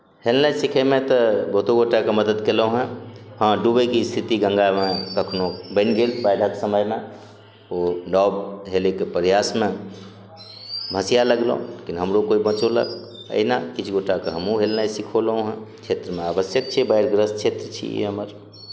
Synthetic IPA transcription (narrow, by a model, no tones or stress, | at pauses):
helnəsikʰemẽt̪ɔbot̪oɡoʈakeməd̪əd̪kelõɦɛ̃hə̃ɖubekist̪ʰit̪iɡə̃ŋɡamẽkəkʰnobəɪnɡelbaɪɽ̤ʱaksəməjme | oɖɔbɦelekepəɾjasmẽ | bʱəsijaləɡlə̰̃lekinɦəmɾokoibə̃t͡ʃolə̰ɡ | ə̰inakit͡ʃʰɡoʈakeɦəmũɦelnaisikʰoləɦõɦə̃t͡ʃʰet̪ɾəmẽabəsjək̚t͡ʃʰɛbəjɾɡɾəst͡ʃʰet̪ɾət͡ʃʰḭḛɦəməɾ